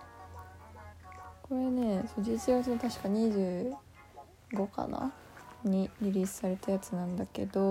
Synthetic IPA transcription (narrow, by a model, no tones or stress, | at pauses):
ko̞ɾe̞ne̞sod͡ʑiit͡siɡat͡sɨnot̪aɕi̥kaɲ̟iʑɨː | ɡo̞ka̰na̰ | ɲ̟iɾʲiɾʲiːsɨ̥saɾe̞t̪ajat͡sɨnãnd̪ake̞̰d̪o̞